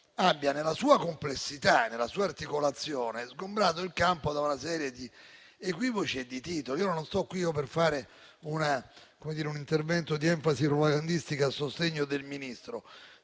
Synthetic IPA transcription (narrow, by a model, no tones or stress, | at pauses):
abːjanelːasuːakomplesːit̪anelːasuːaːrt̪ikolat̪sːjoːnezɡombɾaːt̪̬oilkampod̪aunasɛːɾjed̪i | ekwiːvot͡ʃied̪it̪iːt̪oliiːononst̪ɔkːwiːoperfaːɾe | unakomed̪iːɾeunint̪ervɛnt̪od̪iɛɱfasipɾopaɡand̪ist̪ikaːsːost̪eɲːod̪elminist̪ɾo